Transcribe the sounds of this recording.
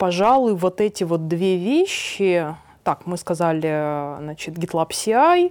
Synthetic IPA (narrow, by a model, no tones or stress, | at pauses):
pɐʐalˠʊjvo̞t̪ɛtʲɪvo̞t̪̚d̪vʲevʲeɕːɪ | t̪akmɨskɐzalʲɪznat͡ɕɪt̪ɡʲɪt̪lˠapsʲɪaj